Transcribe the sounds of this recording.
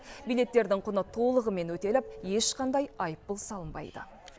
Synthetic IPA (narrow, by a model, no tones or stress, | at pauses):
bijle̞t̪ːe̞ɾd̪ɪŋqʰʊnət̪ʰo̞lˠəʁəme̞nwɵt̪e̞lɪp̚je̞ʃqɑnd̪ɑjɑjəp̚ːəlˠsɑlˠəmbɑ̰jd̪ə̰